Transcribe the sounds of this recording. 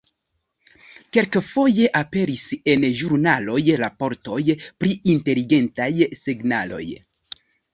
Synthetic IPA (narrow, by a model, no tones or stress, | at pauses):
ke̞ɾkfo̞je̞ʔape̞ɾise̞nʒuɾnalo̞jɾapo̞ɾto̞jpɾiinte̞liɡe̞ntajseɡna̰lo̞̰j